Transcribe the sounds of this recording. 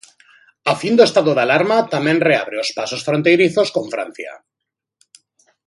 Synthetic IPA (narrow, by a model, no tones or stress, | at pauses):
afind̪oest̪aðoðalaɾmat̪amẽnrea̰β̞ɾeospasosfɾont̪ejɾiθo̞skõ̞ɱfɾa̰n̟θja̰